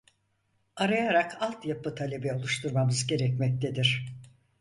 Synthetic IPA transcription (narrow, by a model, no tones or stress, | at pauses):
aɾajaɾakalˠt̪japɯt̪ʰalʲe̞bɛo̞lˠuʃt̪ʰuɾmamɯzɟe̞ɾɛcmɛc̚t̪ʰe̞d̪iɾ̥